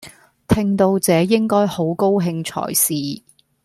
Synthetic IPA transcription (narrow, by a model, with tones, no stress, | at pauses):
t̪ʰɪ˧ŋt̪o˧wt͡sɛː˨˧jɪ˥ŋkɔː˥jho˨˥wko˥wɦɪ˧ŋt͡sʰɔ̰ː˨˩jsiː˨